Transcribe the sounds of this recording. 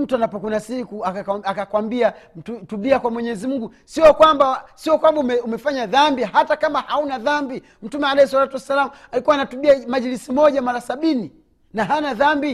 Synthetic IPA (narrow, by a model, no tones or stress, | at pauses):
m̩tuanapɔkunasikuaakakwambiatutuɓiakwamwɛɲɛzimuŋɡu | siɔkwambasiɔkwambaumɛumɛfaɲaðambihatakamahaunaðambi | m̩tumɛalɛhiswalatuwasːalamu | alikuwanatuɓiamaʄilisimɔʄamaɾasaɓini | naɦanaðambi